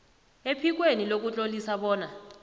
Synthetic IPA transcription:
epʰik̬wenilok̬ut͡ɬʼolisaɓɔːna

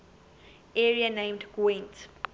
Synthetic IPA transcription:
ɛɹiənẽɪ̃mdɡ̥wẽnt

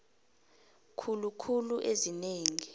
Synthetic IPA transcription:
kʰulukʰuluʔezineːŋi

